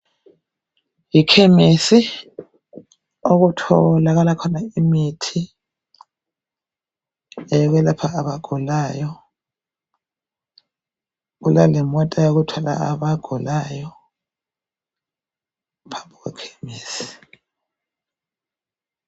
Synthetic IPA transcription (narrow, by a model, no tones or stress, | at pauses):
jikʰemisi | oɣutʰɔlaɣalakʰɔnaimitʰi | ɛɣwɛlapʰaːβaɡ̥ʱulajɔ | ɣulalimɔtʼajoɣutʰwala̰a̰βaɡ̥ʱulaːjɔ | pʰambʱɔɣwɛ̰kʰe̥miːsi̥